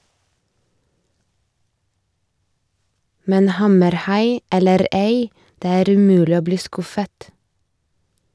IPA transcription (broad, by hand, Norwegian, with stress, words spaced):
ˈmɛn ˈhɑməɾˌhɑɪ ˈɛləɾ ˈeɪ ˈdeː ˈæːɾ ʉˈmʉːlɪ ˈoː ˈbliː ˈskʊfət